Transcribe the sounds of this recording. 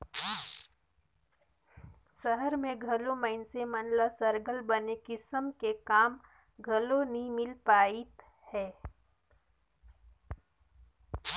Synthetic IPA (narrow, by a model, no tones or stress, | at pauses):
səɦəɾmẽɡʱɐloməɪnsemənlasəɾɡəlbənekɪsəmkekaːm | ɡʱɐlonimɪlpaːit̪ | hɛː